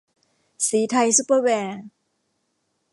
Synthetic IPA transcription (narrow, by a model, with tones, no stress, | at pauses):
siː˩˦t̪ʰa˧jsu˧˦˥pə˧wɛː˧